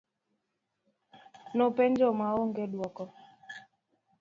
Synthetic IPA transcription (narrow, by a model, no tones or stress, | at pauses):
nopeɲd͡ʒɔmaoŋɡedwɔkɔ